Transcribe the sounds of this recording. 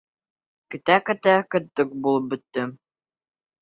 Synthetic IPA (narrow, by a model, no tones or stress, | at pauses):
kɘ̆t̪ækɘ̆t̪ækɘ̆t̪ːɤk̚bulˠɤp̚bɵ̆t̪ːɘm